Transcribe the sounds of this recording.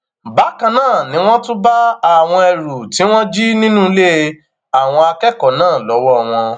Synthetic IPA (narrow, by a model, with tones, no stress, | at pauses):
ba˨˦kã˧nãː˦˨nĩ˨˦w̃ɔ̃˦tũ˦ba˦a˨w̃ɔ̃˧ɛ˨ɾu˨ti˨˦w̃ɔ̃˦d͡ʒi˦nĩ˦nũ˦le˦ | a˦˨w̃ɔ̃˧a˧kɛ˦kɔ˨nãː˦˨lɔ˨˦wɔ˦˨w̃ɔ̃˧